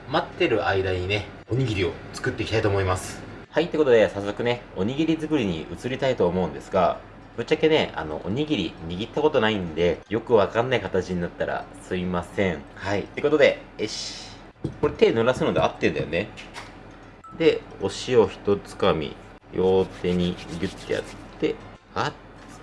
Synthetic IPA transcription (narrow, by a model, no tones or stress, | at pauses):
mat̪ːe̞ɾɯ̟ʔaid̪aɲ̟ine̞ | oɲ̟iɡʲiɾʲio̞t͡sɨ̥kɯ̟t̪ːekʲit̪ait̪oːmo̞imasɨ̥hait̪ekot̪od̪e̞sasːo̞kɯ̟ne̞o̞ɲ̟iɡʲiɾʲizɨkɯ̟ɾʲiɲ̟ḭʔɯ̟t͡sɨɾʲit̪ait̪o̞ːmo̞ɯ̟̃nd̪e̞sɨɡa̰ | b̥ɯ̟t͡ɕːake̞ne̞a̰no̞̰ʔo̰ɲ̟iɡʲiɾʲḭɲ̟iɡʲit̪ːako̞t̪o̞naĩnd̪e̞jo̞kɯ̟βakãnːaikat̪at͡ɕiɲ̟inat̪ːaɾa̰sɨimasẽ̞ɴ | hait̪ːeeko̞t̪od̪e̞eɕ | ko̞ɾe̞t̪e̞ːnoɾasɨno̞d̪e̞at̪ːẽ̞nd̪a̰jone | d̪e̞o̞ɕio̞çi̥t̪o̞t͡sɨ̥kamʲḭ | jo̞ːt̪e̞ɲ̟iɡɯ̟t̪ːeja̰t͡sɨ̥t̪e̞ | ḁ